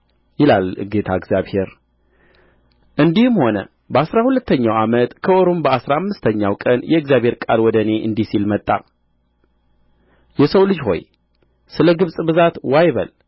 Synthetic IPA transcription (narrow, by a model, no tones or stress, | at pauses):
jɪlalɡe̞t̪ʰaɪɡzjaβhe̞ɾ | ʔɨnd̪ihɨmho̞nə̰ | bəasɾahulət̪ʰːəɲːawamət̪kʰəʔoɾumbəasɾaːmːɨst̪ʰəɲːawkʼənjɛɨɡzjaβheɾkʼalwɔd̪əne̞ʔɨnd̪isilmət̪ʼːa̰ | jɛsəwlɨd͡ʒho̞̰j | sɨləɡɨβsʼbɨzat̪wajβə̰l